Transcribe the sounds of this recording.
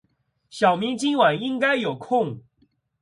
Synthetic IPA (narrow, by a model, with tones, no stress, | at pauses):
ɕjɑ˨˩ʊmi˨˧˥ŋt͡ɕi˥nwa˨˩ni˦ŋka˦ɪjo˨˩ʊkʰʊ˥˨ŋ